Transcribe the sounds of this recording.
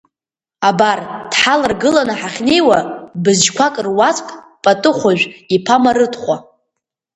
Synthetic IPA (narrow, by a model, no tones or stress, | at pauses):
abard̥ħalɨrɡɨlanaħaχʲne̞jwabɨzʒkʷʰakʼrwat͡sʼkʼ | pʼatʼɨχʷaʒᶣʷipʰamaɾɨtʰʼχʷa